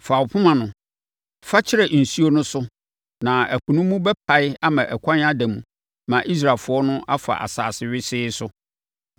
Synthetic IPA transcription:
fa˨wʊ˨pʰʊ˦mã˨nʊ̃˨ | fa˦t͡ɕʰɪ˦ɾɛ˨n̩˨su˦o˦nʊ̃˦sʊ˦ | nã˨æ˨kʰũ˨nũ˦mũ˦bɛ˦pʰa˨ɪ˦a˦mã˨ʔɛ˨kʷʰã˦n˦a˦dæ̃˨mũ˨ | mã˨ʔi˦s̬ɾa˨lfʊ˨ɔ˦nʊ̃˦ʔa˦fa̰˨ʔa̰˨sa̰ː˨sɪ˨ɥɪ˦sɪː˦sʊ˦

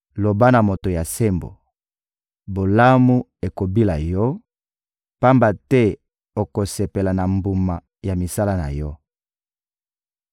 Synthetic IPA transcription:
lo˨ba˦na˨mo˨to˨ja˨se˦mbo̰˨ | bo˨la˦mu˦ | e˨ko˨bi˦la˨jɔ˦ | pa˦mba˨tɛ˦ | o˨ko˨se˨pe˨la˨na˨mbu˨ma˨ | ja˨mi˨sa˦la˦na̰˨jɔ˦

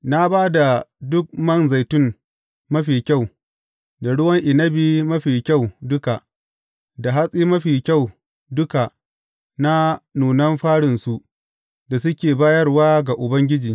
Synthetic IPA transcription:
na˦baː˦da˨dʊ˦k̚mɐ˦˨nza˨jtʊ˦m | mɐ˦ɸiː˨kʲa˦˨w | da˨ɽʊ˦wɐ˦ŋʔɪ˨nɐ˦biː˦mɐ˦ɸiː˨kʲa˦˨wdʊ˦ka˨ | da˨ɦa˦sʼiː˦mɐ˦ɸiː˨kʲa˦˨w | dʊ˦ka˨ | na˦nuː˨nɐ˦mɸaː˦ɽɪ˨nsu˦ʔ | da˨s̬ʊ˦kʲeː˨baː˦jɐ˦rwaː˦ɡa˨ʔʊ˨bɐ˦ŋɡʲɪ˦d͡ʒiː˨

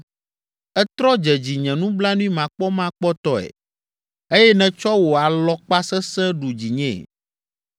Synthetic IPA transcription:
ɛ˦t̪ɾɔ˦d͡ʒɛ˨d͡ʑi˨ɲɛ̃˨nũ˦bla˦nũ˦i˦mã˨k͡pɔ˦mã˦k͡pɔ˦t̪ɔ˦ɛ̰˨ | e˦jɛ˦nɛ̃˨t͡ʃɔ˦wo˨a˨lɔ˦k͡pa˦sɛ˦sɛ̃˦ɖu˨d͡ʑi˨ɲɛ̃˦˨

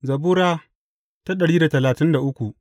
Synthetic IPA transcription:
zɐ˨buː˦ɾaː˦ | ta˦ɗɐ˨ɽiː˦da˨tɐ˨laː˨tɪ˦nda˨ʔʊ˦kʷu˨ʔ

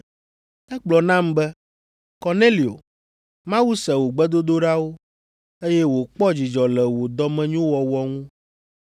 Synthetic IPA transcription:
ɛ˦k͡plɔ˨nã˦mbɛ˦ | kɔ˨ne˦li˨o̰˨ | mã˦wu˦sɛ˨wo˨ɡ͡bɛ˦d̪o˦d̪o˦ɖa˦wo˦ | e˦jɛ˦wo˨k͡pɔ˦d͡ʑi˨d͡ʒɔ˨lɛ˨wo˨d̪ɔ˦mɛ̃˦ɲũ˦wɔ˨wɔ˦ŋũ˦

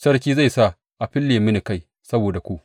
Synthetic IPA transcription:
sɐ˦rkʲiː˦za˦˨jsa˦˨ | ʔa˨ɸɪ˦lːeː˨mɪ˦nɪ˨ka˦j | sɐ˦boː˨da˨kʷu˦ʔ

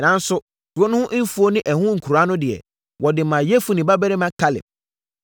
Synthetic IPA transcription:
nã˨n˦sʊ˦ | d̥ʊ˨˦ɔ˦nʊ̃˦ʊ̃˦ʔn̩˦fu˦o˦nɪ̃˦ʔɛ˨hʊ̃˦ŋ̩˨kʰu˨ɾa˦nʊ̃˦dɪ˨ɛ̰˨ | wʔɔ˨dɪ˨mã˨jɛ˦fu˦nɪ̃˨ba˦bɛ˦ɾɪ˦mã˦kʰa˦lɪ̰˨p̚

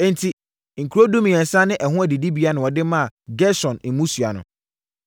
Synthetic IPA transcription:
e˦n˦tʰi˨ | ŋ̩˨kʰu˨ɾo˦dũ˦mĩ˨ɛ̃˨n˨sã˦nɪ̃˦ʔɛ˨ɦʊ̃˦æ˨di˨di˦bi˨˦a˦nʊ̃˨wɔ˨dɪ˦mã˦a˨ɡɛ˦sɔ̃˨nm̩˨mũ˦su˨a̰˨nʊ̰̃˨

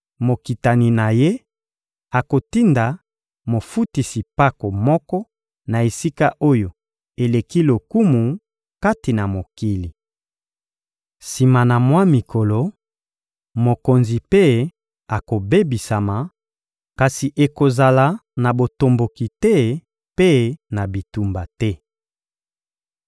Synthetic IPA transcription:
mo˨ki˨ta˨ni˨na˨je˦ | a˨ko˨ti˦nda˨ | mo˨fu˦ti˨si˨pa˦ko˨mɔ˦kɔ˦ | na˨e˨si˦ka˦ʔo˦jo˨ | e˨le˨ki˦lo˨ku˦mu˨ | ka˦ti˨na˨mo˨ki˦li˨ | si˨ma˨na˨mwa˦mi˨ko˨lo˨ | mo˨ko˨nzi˨pe˦ | a˨ko˨be˦bi˨sa˨ma˨ | ka˨si˨ʔe˨ko˨za˨la˨na˨bo˨to˨mbo˨ki˨tɛ˦ | pe˦na˨bi˨tu˨mba˨tɛ˦

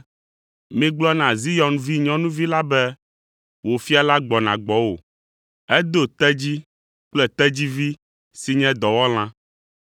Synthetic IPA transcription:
mĩ˦ɡ͡blɔ˦nã˨zi˦jɔ˨nvi˦ɲɔ̃˦nũ˦vi˦la˦bɛ˦ | wo˨fi˦a˨la˦ɡ͡bɔ˨nã̰˨ɡ͡bɔ˦wo̰˨ | ɛ˦d̪o˦t̪ɛ˦d͡ʑi˦ | k͡plɛ˨t̪ɛ˦d͡ʑi˦vi˦ | si˨ɲɛ̃˦d̪ɔ˨wɔ˦l̃ã˦

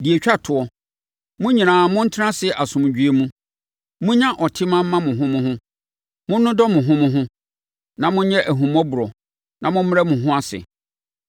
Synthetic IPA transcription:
di˨e˨t͡ɕᶣa˦tʰʊ˨ɔ˦ | mʊ̃˦ɲĩ˨ãː˨mʊ̃˦n̩˦tʰɪ˦ɾã˦sɪ˨ʔa˨sʊ̃˨m˨d͡ʑᶣɥe˦mũ˦ | mʊ̃˦ɲã˦ʔɔ˨tʰɪ˦mã˦m˦mã˦mʊ̃˨ɦʊ̃˦mʊ̃˦hʊ̃˦ | mʊ̃˦nː˦ʊ̃˦dɔ˦mʊ̃˨ɦʊ̃˦mʊ̃˦ɦʊ̃˦ | nã˨mʊ̃˦ɲɛ˦ʔæ˨ɦũ˨mɔ˦bʊ˨ɾɔ˨ | nã˨mʊ̃˦m˦a˦mʊ̃˨ɦʊ̃˦a˦sɪ̰˨

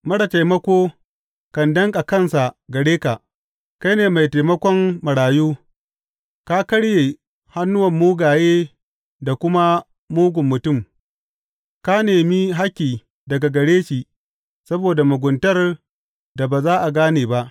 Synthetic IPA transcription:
mɐ˦ɽa˨ta˨jmɐ˦kʷoː˦ | kɐ˨ndɐ˦ŋkʼa˨kɐ˦˨nsa˨ɡɐ˨ɽeː˦ka˨ʔ | ka˦jneː˨ma˨jta˨jmɐ˦kʷɔ˦mːɐ˨ɽaː˨juː˦ | ka˦kɐ˦ɽjeː˨ | ha˦nːʊ˦wɐ˨mːuː˦ɡaː˨jeː˦ | da˨kʷʊ˦ma˦ | muː˦ɡʷʊ˨mːʊ˨tʊ˦˨m | ka˦neː˨mi˦ɦa˦kʲːiː˨ | dɐ˨ɡa˨ɡɐ˨ɽeː˦ʃiː˨ | sɐ˦boː˨da˨mʊ˨ɡʷʊ˨ntɐ˦r | da˨baː˨zaː˦ʔa˨ɡaː˦neː˨ba˦ʔ

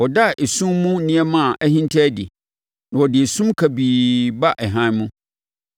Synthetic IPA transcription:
wɔ˨da˦ʔe˨sũ˦mːũ˦nĩ˦ɛ˦mã˦˨ʔæ˦hĩ˦n˦tʰɛ˦dḭ˨ | nã˨wɔ˨dɪ˨e˨sũ˦mkʰæ˨biː˨ba˦ʔɛ˨ɦã˦nmũ˦

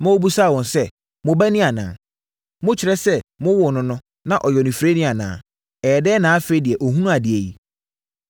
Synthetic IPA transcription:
mã˦wo˦bu˦sa˦˨wɔ̃˨nsɛ˦ | mʊ̃˨bæ˦nĩ˦a˨nã̰ː˨ | mʊ̃˦t͡ɕʰɪ˨ɾɛ˦sɛ˦mʊ̃˦wʊ˨nʊ̃˦nʊ̃˦ | nã˨ʔɔ˨jɔ˨nɪ̃˨fɾe˦nɪ̃˦a˨nã̰ː˨ | ɛː˨dɛː˦nãː˨˦fe˦i˦dɪ˨ɛ˨ʔɔ˨ɦũ˦nũ˦a˨dɪ˨e˨ji˦

